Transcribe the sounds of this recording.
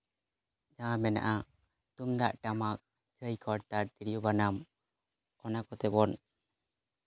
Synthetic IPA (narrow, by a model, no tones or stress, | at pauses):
d͡ʒãmɛna̰ʔa | t̪umd̪aʔʈamak̚ | t͡ʃəjkʰɔɽt̪aɾt̪iɾijɔbanam | ɔnakɔt̪ɛbɔn